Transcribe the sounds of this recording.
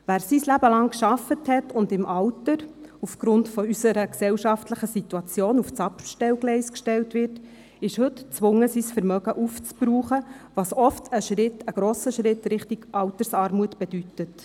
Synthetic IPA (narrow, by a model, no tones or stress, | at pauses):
ʋæːɾsislæbəlɑŋkʃɑfəthɛtʊndɪmʔɑwtəɾufɡ̥ɾʊntfɔysəɾəksɛwʃɑftləχəsituɑt͡sjoːnuft͡sɑpʃtɛwɡlɛɪskʃtɛltʋɪrt | ɪʃhɵtt͡sʋʊŋəsiːsfəɾmœɡəʔuft͡spɾuːχəʋɑːsɔftʰəʃɾɪtəɡ̥ɾoːsəʃɾɪtɾɪχtiɡ̥ʔɑwtəɾsɑːɾmuətb̥ɛd̥ytət